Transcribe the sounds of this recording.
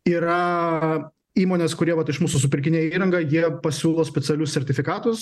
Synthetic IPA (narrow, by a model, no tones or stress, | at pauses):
iːɾɐ | iːmoːnʲeːskʊɾʲiɛʋɐt̪ɪʃmuːsʊs̬ʊpʲɪɾʲkʲɪnʲeːiːɾɐŋɡɐjiɛɛpɐsʲuːlˠoːsʲpʲɛt̪ʲɛlʲʊsʲsʲɛɾʲt̪ʲɪfʲɪkɑːt̪ʊs